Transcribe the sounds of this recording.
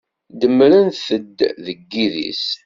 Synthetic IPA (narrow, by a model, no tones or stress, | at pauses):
d̪əmːɾənθəd̪ːðəɡːiðḭs